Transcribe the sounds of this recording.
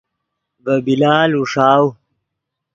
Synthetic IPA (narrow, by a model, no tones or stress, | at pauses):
bɐbilaːluʂaːw